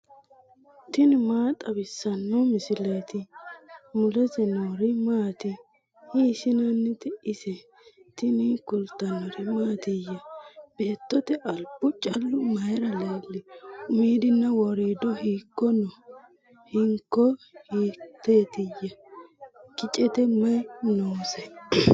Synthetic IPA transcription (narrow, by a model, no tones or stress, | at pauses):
t̪ɪnmaːt̪ʼɐbɪsːɐnːɔmɪsɪleːt̪ɪ | mʊlɛt̪ɛnoɾɪmaːt̪ɪ | hiːsɪnɐnːɪt̪ɪɪsɛ | t̪ɪnɪkʊlt̪ɐnɔɾɪmaːt̪ɪjːɐb̥e̞ːt̪ːɔt̪ɛʔɐlbʊt͡ʃʼɐlːʊmɐjɾɐleːlːɪʊmiːd̪ɪnːɐwɔɾiːd̪ɔhiːkːɔnɔ | hɪŋkːɔhiːt̪ːeːt̪ɪjːɐ | kɪt͡ʃʼɛt̪ɛmɐjnowsɛ